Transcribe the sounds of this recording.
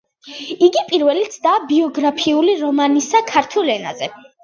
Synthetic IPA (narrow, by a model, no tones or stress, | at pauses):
iɡipʼiɾvɛlit̪sʰd̪aːbiɔɡɾapʰiuliɾɔmanisakʰaɾt̪ʰulɛna̰zɛ